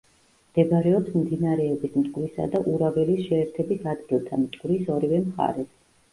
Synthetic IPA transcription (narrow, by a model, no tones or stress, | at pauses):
md̪̥ɛbɾɛɔpsmd̪inaɾɛɔbismt̪ʼɡʼɾisa̰d̪aʔuɾavɛlisʃɛːɾt̪ʰɛbisad̪ɡilˠt̪ʰamt̪ʼɡ̥wɾisɔɾivɛmχa̰ɾɛs